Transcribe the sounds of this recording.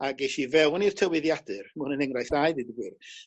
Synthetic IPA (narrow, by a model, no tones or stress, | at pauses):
aɡejʃivɛwnir̥tʰəwɪðjadɨrmuːnənɛŋrajθajdɨdiɡwɨr